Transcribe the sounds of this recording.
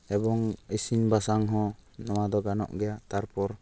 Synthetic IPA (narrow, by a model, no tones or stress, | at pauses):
ɛbɔŋisinbasaŋɦɔ̃nɔwad̪ɔɡanɔ̰ʔɡɛjaʔt̪aɾpɔɾ